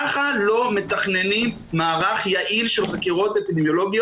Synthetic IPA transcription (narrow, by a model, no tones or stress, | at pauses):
χalo̞me̞t̪aχne̞nim | maːʁaχjaʔilʃelχakiʁo̞tepid̪emjo̞lo̞ɡijo